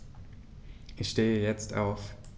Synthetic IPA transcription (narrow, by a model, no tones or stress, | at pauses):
ʔɪçʃteːəjɛt͡stʔa̰ʊf